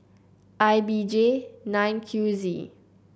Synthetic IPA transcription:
ʔajbid͡ʒenãjnkʰjuzḭ

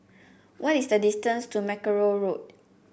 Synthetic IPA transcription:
wʔɔtisdədistə̃nstumɛkəɹoɹot̚

